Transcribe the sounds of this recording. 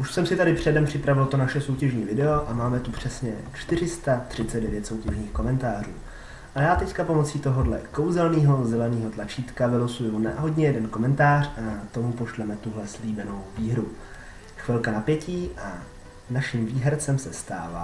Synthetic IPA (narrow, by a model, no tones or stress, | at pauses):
ʔuʃsɛmsɪt̪adɪpr̝̥ɛdɛmpr̝̥ɪpɾavɪlt̪o̞naʃɛso̞wcɛʒɲiːvɪdɛo̞ʔamaːmɛt̪upr̝̥ɛsɲɛ̰t͡ʃt̪ɪr̝ɪst̪at̪r̝̥ɪt͡sɛd̪dɛvjɛt̪sowcɛʒɲiːxko̞mɛnt̪aːr̝ṵː | ʔajaːt̪ɛckapo̞mo̞t͡siːt̪o̞ɦo̞dlɛ̰ko̞wzɛlniːɦo̞zɛlɛniːɦo̞t̪lat͡ʃiːt̪kavɪlosujunaɦo̞ɟɲɛjɛdɛnko̞mɛnt̪aːr̝̥at̪o̞mupo̞ʃlɛmɛt̪uɦlɛsliːbɛno̞wviːɦɾu | xvɪlkanapjɛciːʔa | vnaʃɪmviːɦɛɾt͡sɛmsɛst̪a̰ːva̰